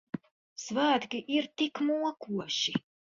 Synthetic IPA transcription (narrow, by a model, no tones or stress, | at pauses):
svæːt̪kʲiʔiɾt̪ikmuɔkuɔʃi